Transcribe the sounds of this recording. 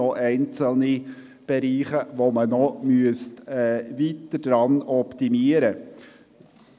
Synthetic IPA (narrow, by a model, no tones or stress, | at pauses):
ɔʔɛɪnt͡səlni | b̥ɛɾiːχəʋomənɔmyəstɛːviːt̪əd̥ɾɑnɔpt̪imiəɾə